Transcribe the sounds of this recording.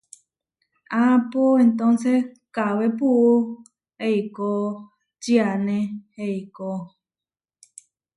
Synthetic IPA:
apoent̪õnse | kawepuʔu | heiko | t͡ʃianẽheiko

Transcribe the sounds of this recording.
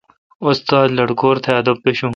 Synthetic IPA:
ʊst̪aːd̪lɐɽkoːɾt̪ʰeɐd̪opːeɕũ

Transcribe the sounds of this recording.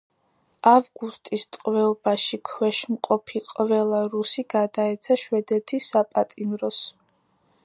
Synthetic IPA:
avɡust̪ʼist̪ʼqʼvɛɔbaʃikʰwɛʃmqʼɔpʰiqʼvɛlˠaɾusiɡ̥ad̪aɛt̪sʰaʃwɛd̪ɛt̪ʰisapʼat̪ʼimɾɔs

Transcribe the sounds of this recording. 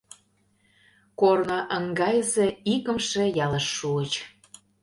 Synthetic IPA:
kornəʔəŋɡɑjəzĕikə̆mʃĕjɑləʃːuət͡ɕ

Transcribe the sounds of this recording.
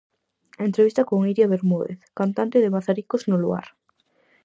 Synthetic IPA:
ent̪ɾeβist̪akoŋiɾjaβeɾmoðḛθkant̪ant̪eðemaθaɾikoznolua̰ɾ

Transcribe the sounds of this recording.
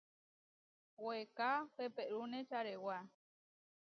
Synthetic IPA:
wekapepeʔɾunet͡ʃaɾewa

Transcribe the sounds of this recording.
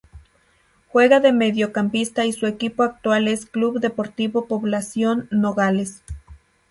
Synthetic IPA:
xweɣaðemeðjokampist̪aisuekipoak̚t̪waleskluβd̪epoɾt̪iβopoβlasjonːoɣales

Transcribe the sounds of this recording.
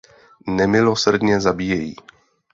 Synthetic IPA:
nɛmɪlosrdɲɛzabiːjɛjḭː

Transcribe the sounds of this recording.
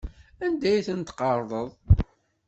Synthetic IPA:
ænd̪æjθənt̪qɑɾˤðˤəðˤ

